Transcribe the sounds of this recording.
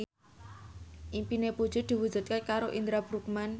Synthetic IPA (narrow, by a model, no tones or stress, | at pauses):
ʔimpinepu̥ʒ̥ṳd̪̥i̤wud̥ʒ̥ṳt̪̚kekaɾoʔind̪ɾab̥ɾuk̚man